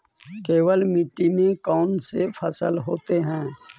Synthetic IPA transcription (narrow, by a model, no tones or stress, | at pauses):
keːʋəlmɪʈːimẽkɔːnsepʰəsəlɦoːt̪eɦɛ̃ː